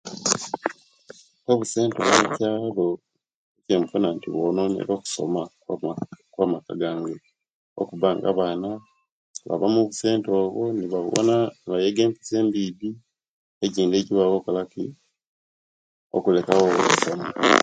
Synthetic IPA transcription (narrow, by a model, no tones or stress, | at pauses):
toβuse̞ːnto̰βecaːlo̞ | ecemufonantḭβononḛɾoːku̥so̞̰ma | kwaːmakaɡaːŋɡe | o̰kuβaːŋɡa̰βaːna | βa̰βamuβuse̞ːntoːβwoniβa̰βo̰naniβajeɡeːmpi̥seːmbidi | eciːnde̞ːciwaβokalakḭ | o̰kulekawoβusoma